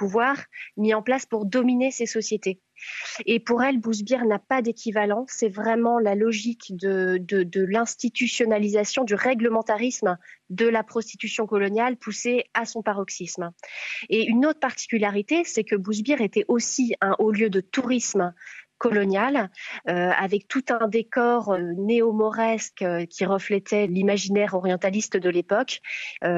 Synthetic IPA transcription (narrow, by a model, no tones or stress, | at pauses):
puvwaʁmiɑ̃plaspuʁd̪ɔminesesɔsjet̪e | epuʁɛlbuzbjiʁnapad̪ekʲivalɑ̃sɛvʁɛmɑ̃lalɔʒikd̪əd̪əd̪əlɛ̃st̪it̪ysjɔnalizasjɔ̃d̪yʁɛɡləmɑ̃t̪aʁismd̪əlapχɔst̪i̥t̪ysjɔ̃kɔlɔnjalpuseasɔ̃paʁɔksism | eynot̪χəpaʁt̪i̥kʲyljaʁit̪esɛkəbuzbjɛʁet̪ɛʔosiɛ̃ʔoljød̪ət̪uʁismkɔlɔnjaløa̰vɛk̚t̪ut̪ɛ̃d̪ekɔʁøneɔmɔʁɛskkʲʰiʁəflɛt̪ʰɛlimaʒinɛʁɔʁjɑ̃t̪alist̪d̪əlepɔkø